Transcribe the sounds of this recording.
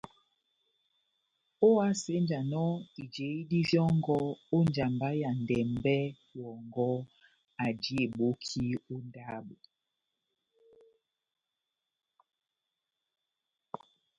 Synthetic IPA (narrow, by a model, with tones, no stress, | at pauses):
o˦a˦se˨˦n˦d͡ʒa˨nɔ˦i˨d͡ʒe˨˦i˦di˦vjɔ˦ŋ˦ɡɔ˦o˦n˦d͡ʒa˨mba˦ja˨n˨dɛ˨mbɛ˦ | wɔ˨ŋɡɔ˦ | a˨d͡ʒi˦e˨ɓo˦kʰi˦o˦nda˦bo˨